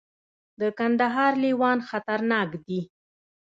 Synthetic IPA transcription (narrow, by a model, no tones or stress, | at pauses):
d̪əkand̪aɦɑɾliwɑnxat̪aɾnɑkd̪i